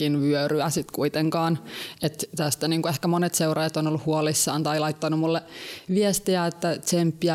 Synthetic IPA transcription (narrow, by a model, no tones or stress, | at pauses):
inʋyøryæsit̪kuit̪eŋkɑːnet̪t̪æst̪æniːŋkuehkæmonet̪seurɑjɑt̪onolːuhhuolisːɑːnt̪ɑilɑit̪ːɑnumulːeʋiest̪iæet̪ːæt̪t͡ʃempːiæ